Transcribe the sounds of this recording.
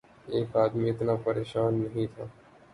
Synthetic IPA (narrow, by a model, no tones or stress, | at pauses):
eːkaːd̪miɪt̪napɐɾeːʃaːnːɐɦĩt̪ʰaː